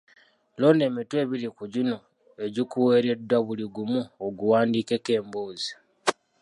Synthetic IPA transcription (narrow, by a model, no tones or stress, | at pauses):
lo̞ne̞ːmitwe̞ːβilikuɟino̞ | e̞ɟikuwe̞ːɾe̞dːwaβuliɡumuoɡuwaːndiːke̞ke̞ːmboːzi